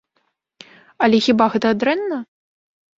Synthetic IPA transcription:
ɐlʲɛxʲibaɣɛt̪ɐːd̪ɾɛnːɐ

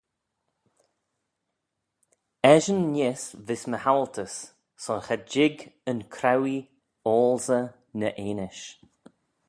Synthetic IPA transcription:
ɛʒənːesvɪsməhalt̪ʰəsː | ɔnxɛd͡ʒɪɡənkʰɾawi | oːlzə | nəʔeːnɪʃ

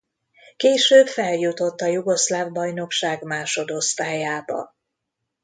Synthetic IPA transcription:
keːʃøːbfɛljut̪o̞t̪ːɒjuɡo̞ʃlaːvbɒjno̞kʃaːɡmaːʃo̞d̪o̞st̪aːjaːbɒ̰

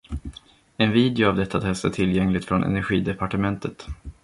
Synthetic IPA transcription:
ɛnviːd̪ɪʊavd̪ɛt̪ʰːat̪ʰɛst̪atʰɪlːjɛŋlɪt̪fɾɔnʔɛ̰næɾɧiːd̪ɛpaʈəmɛnt̪ʰət̪

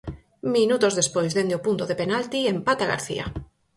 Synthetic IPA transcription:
minut̪ozðespojzðend̪eopunt̪oðepenalt̪iempat̪aɣa̰ɾθḭa̰

